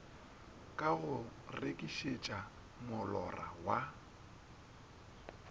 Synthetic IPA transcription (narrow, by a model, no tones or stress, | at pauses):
kʼaɣʊrekʼiʃet͡ʃʼa | mʊlɔ̰ra̰wa